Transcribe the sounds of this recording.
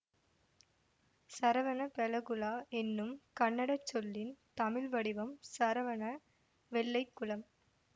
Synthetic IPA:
sɐɾɐʋɐnɐpɛlɐɣɯlaːʔɛnːɯmkɐɳːɐɽɐt͡ʃːɔlːɪnt̪ɐmɪlʋɐɽɪʋɐmsɐɾɐʋɐnɐ | ʋɛɭːɐɪkːɯɭɐm

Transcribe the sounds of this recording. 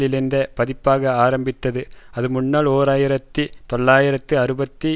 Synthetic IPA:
ɪlɯnd̪ɐpɐðɪpːaːɣɐaːɾɐmbɪt̪ːɐðɯɐðɯmʊɳːaːɭoːɾaːjɪɾɐt̪ːɯt̪ɔɭːaːjɪɾɐt̪ːɯɐɾɯbɐt̪ːi

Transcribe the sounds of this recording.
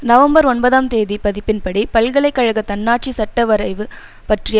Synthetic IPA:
nɐʋɐmbɐɾɔɳbɐðaːmt̪eːðipɐðɪpːɪnpɐɽipɐlɣɐɭɐɪkːɐɻɐɣɐt̪ɐnːaːʈ̚t͡ʃisɐʈːɐʋɐɾɐɪʋɯ | pɐʈrɪj

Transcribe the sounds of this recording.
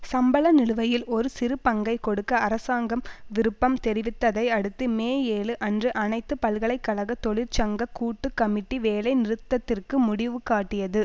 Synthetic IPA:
sɐmbɐɭɐnɪɻɯʋɐjɪlɔɾɯsɪɾɯpɐŋɡɐɪkɔɽɯkːɐːɾɐsaːŋɡɐmʋɪɾɯpːɐmt̪ɛɾɪʋɪt̪ːɐðɐɪɐɽɯt̪ːɯmeːjeːɭɯʔɐndrɯʔɐnɐɪt̪ːɯpɐlɣɐɭɐɪkːɐlɐɣɐt̪ːɔɭɪɾt͡ʃɐŋɡɐkuːʈːɯkːɐmɪʈːiʋeːlɐɪnɪɾɯt̪ːɐt̪ːɪrkɯmʊɽɪʋɯkaːʈːɪjɐðɯ

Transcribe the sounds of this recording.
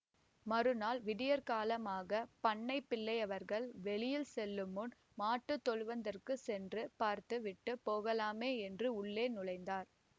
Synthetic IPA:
mɐɾɯnaːlʋɪɽɪjɐɾkaːlɐmaːɣɐpɐɳːɐɪpːɪlːɐɪɐʋɐɾɣɐɭʋɛɭɪjɪlsɛlːɯmɯn | maːʈːɯt̪ːɔɭʋɐnd̪ɐrkɯsɛndrɯpaːɾt̪ɯʋɪʈːɯpoːɣɐlaːmeːɛndrɯʊɭːeːnʊlɐɪnd̪aːɾ

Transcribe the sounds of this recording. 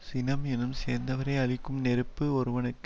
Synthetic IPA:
sɪnɐmɛnɯmseːɾnd̪ɐʋɐɾɐɪɐɭɪkːɯmnɛɾɯpːɯɔɾɯʋɐnɯkː

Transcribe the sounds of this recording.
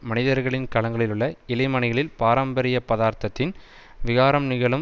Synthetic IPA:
mɐnɪðɐɾɣɐɭɪnkɐɭɐŋɡɐɭɪlɯɭːɐɪlɐɪmɐɳɪɣɐɭɪlpaːɾɐmbɐɾɪjɐpːɐðaːɾt̪ɐt̪ːɪn | ʋɪɣaːɾɐmnɪɣɐɭɯm

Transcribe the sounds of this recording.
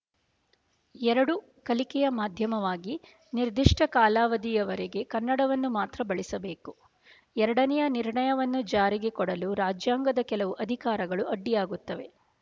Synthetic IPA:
ɛɾɐɽu | kɐlikɛjɐmaːd̪ʱjɐmɐʋaːɡi | niɾd̪iʂʈʰɐkaːlaːʋɐd̪ijɐʋɐɾeɡe̞kɐnːɐɽɐʋɐnːumaːt̪ɾɐbɐɭisɐbe̞ːku | ɛɾɐɽɐnɛjɐniɾɳɐjɐʋɐnːud͡ʒaːɾiɡe̞kɔɽɐluɾaːd͡ʒjaːŋɡɐd̪ɐkɛlɐʋuʔɐd̪ʱikaːɾɐɡɐɭuɐɖːijaːɡut̪ːɐʋe̞

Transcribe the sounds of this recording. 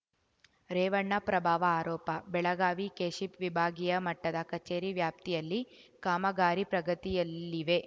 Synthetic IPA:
ɾɛːʋɐɳːɐpɾɐbʱaːʋɐaːɾɔːpɐbɛɭɐɡaːʋikeːʃipʋibʱaːɡijɐmɐʈːɐd̪ɐkɐt͡ʃeːɾiʋjaːp̚t̪ijɐlːi | kaːmɐɡaːɾipɾɐɡɐt̪ijɐlːiʋe

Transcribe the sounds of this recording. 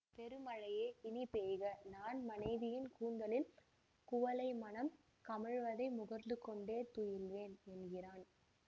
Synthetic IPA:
pɛɾɯmɐɻɐjeːɪnɪpeːɣɐnaːnmɐnɐɪðɪjɪnkuːnd̪ɐlɪl | kʊʋɐlɐɪmɐnɐm | kɐmɪɻʋɐðɐɪmʊɣɐɾnd̪ɯkːɔɳɖeːt̪ujɪlʋeːnɛnɡɪraːn

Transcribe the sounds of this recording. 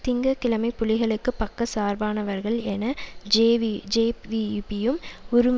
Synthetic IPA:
t̪ɪŋɡɐkɪlɐmɐɪpːʊlɪɣɐɭɯkːɯpɐkːɐsaːɾbaːnɐʋɐɾɣɐɭɛnɐeːʋd͡ʒeːʋipɪjɯmʊɾɯm

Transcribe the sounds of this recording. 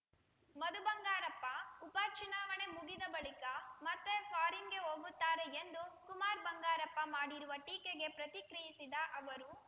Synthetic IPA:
mɐd̪ubɐŋɡaːɾɐpːɐupaːt͡ʃunaːʋɐnemuɡid̪ɐbɐɭikɐmɐt̪ːepʰaːɾiŋɡe̞ɦoːɡut̪ːaːɾeend̪ukumaːɾbɐŋɡaːɾɐpːɐmaːɽiɾuʋɐʈiːkeɡe̞pɾɐt̪ikɾijisid̪ɐʔɐʋɐɾu

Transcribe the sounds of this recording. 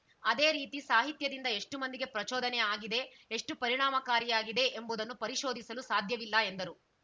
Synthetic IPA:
ɐd̪e̞ːɾiːt̪isaːɦit̪jɐd̪ind̪ɐe̞ʂʈumɐnd̪iɡe̞pɾɐt͡ʃɔːd̪ɐnɛaːɡid̪e̞ | eʂʈupɐɾiɳ̃aːmɐkaːɾjɐjaːɡid̪e̞ʔembuːd̪ɐnːupɐɾiʃo̞ːd̪isɐlusaːd̪ʱjɐʋilːɐe̞nd̪ɐɾu

